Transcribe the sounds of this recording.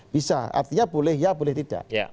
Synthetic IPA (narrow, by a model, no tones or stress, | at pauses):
b̥isa̰a̰rt̪iɲabolɛhjabolɛht̪id̥a̰ʔ